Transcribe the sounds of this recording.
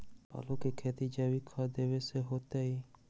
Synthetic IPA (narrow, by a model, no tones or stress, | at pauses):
a̰lokekʰet̪id͡ʒabikʰad̪eβeseɦot̪ai